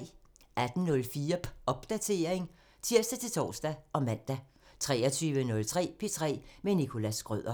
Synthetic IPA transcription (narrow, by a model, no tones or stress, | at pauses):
ʔæd̥n̩nɔ̽lfiːɐɒ̽b̥d̥æt͡sʰe̝ːɐeŋ | t͡sʰiɐ̰sd̥æt͡sʰe̝lt͡sʰɒ̰ːsd̥æʔɒ̽mæn̰d̥æ | t͡sʰʁɛ̰ːɒt͡sʰyːʋənɔ̽lt͡sʰʁɛ̰ːpʰe̝t͡sʰʁɛ̰ːmenikʰo̝læsɡ̥ʁœð̰ˠɐ